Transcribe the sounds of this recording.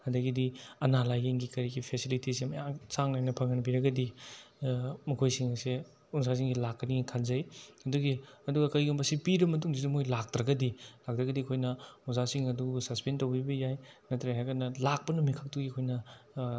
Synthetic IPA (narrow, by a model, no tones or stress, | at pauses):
ɐdɐɡidiɐnalajeŋɡikɐɾiɡipʰesilitisemɐ̰jaŋsaŋnajnɐpʰɐŋɐnbiɾɐɡɐdi | mɐkʰojsiŋɐse | uns̬as̬iŋɡilakːɐnikʰalzɐjɐduɡiɐduɡɐkɐjɡumbɐsipiɾɐmɐt̬uŋzidumojlak̚tɾɐɡɐdilak̚tɾɐɡɐdikʰojnɐuzasiŋɐduusɐspentɐwbibɐjajnɐtɾeɦajɡɐtnɐlak̚pɐnumikʰak̚tuɡikʰojnɐ